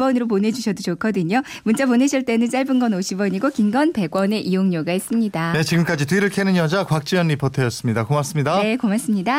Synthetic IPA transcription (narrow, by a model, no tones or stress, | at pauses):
bʌnɯɾop̬one̞d͡ʑuɕʰʌdot͡ɕokʰʌdɯɲo | munt͡ɕ͈apone̞ɕʰiɭt͈e̞nɯns͈aɭbɯnɡʌnoɕʰibʌɲiɡokimɡʌnpe̞ɡwʌne̞ʔijoŋɲoɡais͈ɯmɲidane̞t͡ɕiɡɯmk͈ad͡ʑitɥiɾɯɭkʰenɯnjʌd͡ʑakwak̚t͡ɕ͈ijʌnːipotʰejʌs͈ɯmɲidakomas͈ɯmɲidae̞komas͈ɯmɲida